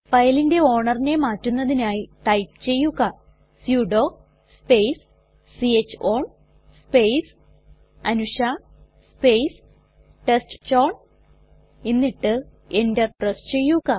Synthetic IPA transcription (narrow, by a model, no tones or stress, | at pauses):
fɐjlinde̞o̞ːɳɐrine̞maːtːunːɐðinaːjiʈɐjpt͡ɕe̞jːuɣɐ | sjuːɖo̞ː | spejs | siet͡ɕːoːɳ | spejs | ɐnuʂa | spejs | ʈestt͡ɕoːɳ | inːiʈːɨ | endɐrʈrɐst͡ɕe̞jːuɣɐ